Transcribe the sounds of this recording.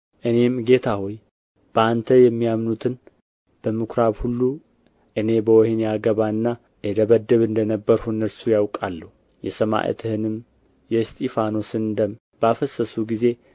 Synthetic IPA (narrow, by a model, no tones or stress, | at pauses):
ʔɨne̞mɡe̞t̪ʰahoj | b̥əant̪ʰəjɛmːijamnut̪ʰɨn | b̥əmɨkʰɾaβhulːu | ʔɨne̞bəwɔhinjaɡəβaɨnːa | jɛd̪əβəd̪ːəβɨnd̪ənəbːəɾhunːəɾsujawkʼalːəhu | jɛsəma̰ʔḛt̪ʰɨhɨnɨm | jɛst̪ʼifano̞sɨnd̪əm | b̥əafəsəsuɡize̞